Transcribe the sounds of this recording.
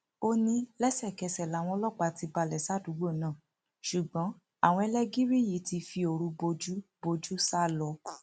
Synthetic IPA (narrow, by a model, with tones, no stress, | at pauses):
o˦nĩ˦lɛ˦sɛ˦˨kɛ˧˨sɛ˨la˨˦˨w̃ɔ̃˧˦lɔ˦k͡pa˧˨ti˧ba˧˨lɛ˨sa˦˨du˨˦ɡ͡bo˦˨nã˦˨ | ʃu˨ɡ͡bɔ̃˨˦ | a˦˨w̃ɔ̃˧ɛ˧lɛ˦ɡi˦ɾi˦˨ji˨˦ti˧fi˧o˧˨ɾũ˧bo˧d͡ʒu˦bo˧d͡ʒu˦sa˦˨lɔ˧˦˨